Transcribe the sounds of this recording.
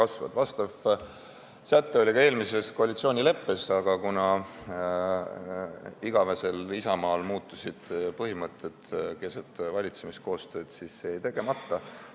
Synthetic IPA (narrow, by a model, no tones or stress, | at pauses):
kɑsvɑ̰d̪̥vɑst̪ɑv | sæt̪ːeo̞lʲikɑe̞ːlmise̞sko̞ɑlʲit̪sioːnʲile̞pːe̞sɑɡ̥ɑkunɑ | iɡ̥ɑvese̞lisɑmɑːlmuːt̪ˑːusid̪̥pɤɦimɤt̪ʰːˑet̪ke̞set̪vɑlʲit̪se̞misko̞ːst̪ø̞ːd̪̥sisːeejt̪e̞ɡ̥e̞mɑt̪ːɑ